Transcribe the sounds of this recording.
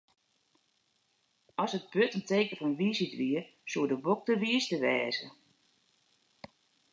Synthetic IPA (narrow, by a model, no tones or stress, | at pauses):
ɔsət̚b̥øtəntʰeːkəfɔnʋiːsitʋiəsuədəbok̚təʋiəstəʋɛːzə